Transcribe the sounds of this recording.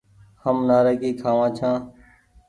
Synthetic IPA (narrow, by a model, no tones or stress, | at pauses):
həmnaːɾeːkeːkʰaːʋãːt͡ʃʰãː